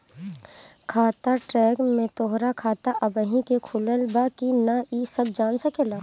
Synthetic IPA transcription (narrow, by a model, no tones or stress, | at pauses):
kʰaːt̪aʈɾɛːɡmẽt̪oɦɾakʰaːt̪aʔɐbəɦĩkekʰʊləlbakinaisəb̚d͡ʒaːnsəkelaː